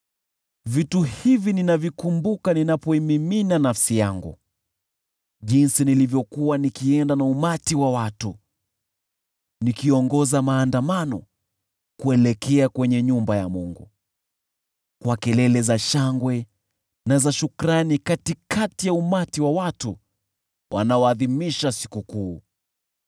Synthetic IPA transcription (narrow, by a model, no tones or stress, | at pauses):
vituhivininavjikumbukaninapɔimiminanafsijaŋɡṵ | ʄinsinilivjɔkuwanikiɛndanaumatiwawatu | nikiɔŋɡɔzamaːndamanɔ̰ | kuɛlɛkʰɛakwɛɲɛɲumbajamuŋɡṵ | kwakɛlɛlɛzaʃaŋɡwɛ | nazaʃukɾanikatikatijaumatiwawatu | wʔa̰naɔaðimiʃasi̥kukuː